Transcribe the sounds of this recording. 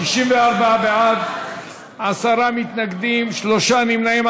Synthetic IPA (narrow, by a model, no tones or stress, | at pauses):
iʃimveaʁbaabeʕad̪ | asaʁamit̪naɡd̪imʃloʃanimnaim